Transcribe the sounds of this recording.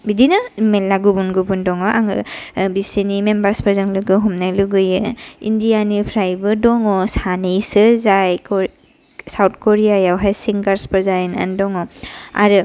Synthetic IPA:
bidinɯmelːaɡubunɡubundɔŋɔʔaŋɯ̰bisenimembaɾspɯɾzaŋlɯɡɯɦumnaluɡɯjɯindijanipʰɾajbɯdɔŋɔsanejsɯzaj | sawt̚ʰkoɾijajawɦajsiŋɡaɾspɯɾzajna̰ndɔŋɔa̰ɾɯ

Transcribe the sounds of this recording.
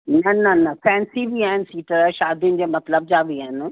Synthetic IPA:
nɐnɐnɐfɛ̃ːnsibʱiaːɦɪnɪ̆siːʈəɾʃaːd̪ʱiʊnɪ̆d͡ʑeːmɐt̪ləb̚d͡ʑaːʋiaːɦɪnɪ

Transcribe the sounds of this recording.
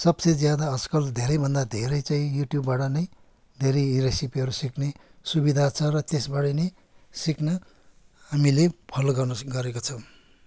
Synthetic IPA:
sʌbsʌjd͡zjad̪aʌskʌld̪ʱeɾʌjbʱʌnd̪ad̪ʱeɾʌjt͡saĩjuʈjubːaʈʌnʌj | d̪ʱeɾʌjiɾesipiʌɾusiknesubid̪ʱat͡sʰʌrʌt̪esbaɽʌjnʌj | siknʌ | ɦamilepʰʌlɡʌrnʌɡʌɾekot͡sʰʌw

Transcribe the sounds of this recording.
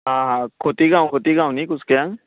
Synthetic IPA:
ɦãːɦãkʰot̪iɡãːw̃kʰot̪iɡãːw̃nikʊskejãŋ

